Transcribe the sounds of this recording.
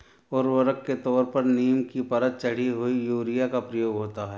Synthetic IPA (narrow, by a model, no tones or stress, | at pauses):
ɔːɾʋɐɾəkːet̪ɔːɾpɐɾniːəmkipɐɾət̪̚t͡ʃɐɽ̤iɦoijuːɾijakapɾɐjoːɡɦoːt̪aɦɛː